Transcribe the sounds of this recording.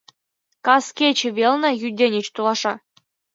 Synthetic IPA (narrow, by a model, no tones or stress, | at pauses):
kɑskʲet͡ɕɘ̆ʋʲelʲˠnʲɤ̆jydʲenʲĕt͡ɕt̪ulˠɑʂɑ